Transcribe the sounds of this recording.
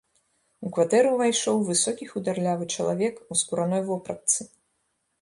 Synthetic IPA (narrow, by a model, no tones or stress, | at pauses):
ukvat̪ɛɾɨvajʂɔwvɨsɔkʲixud̪arlʲavɨt͡ʂɐlˠa̰vʲɛkuskuɾanɔjvɔpɾɐ̰t̪sɨ